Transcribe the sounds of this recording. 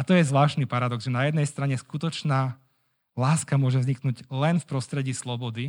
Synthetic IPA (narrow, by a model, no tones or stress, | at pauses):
at̪ɔjɛzʋlaːʃnipaɾad̪ɔɡzʒɛnajɛd̪nɛjst̪ɾaɲɛskut̪ɔt͡ʃnaː | laːskamʊɔʒɛvzɲiknuːɟlɛnfpɾɔst̪ɾɛɟiːslɔbɔd̪i